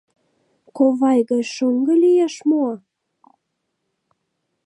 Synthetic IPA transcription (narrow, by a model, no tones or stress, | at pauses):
koβɑjɣɑt͡ɕʃoŋɡɤ̆lijeʃmoɑ